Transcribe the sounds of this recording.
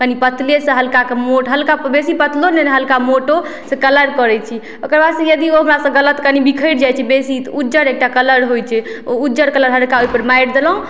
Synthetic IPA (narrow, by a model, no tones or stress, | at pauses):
kənipət̪lesə̃ɦəlkakemoʈɦəlkabesipət̪loneneɦəlkamoʈo | sẽkələɾkəɾɛt͡ʃʰi | okəɾbad̪sə̃jəd̪ioɦəmɾasə̃ɡələt̪kənibikʰəjʈd͡ʒajt͡ʃʰɛbesit̪ɔuːd͡ʒəɾek̚ʈakələɾɦojt͡ʃʰɛ | oud͡ʒəɾkələɾɦəlkaojpəɾmajɽd̪eləɦũ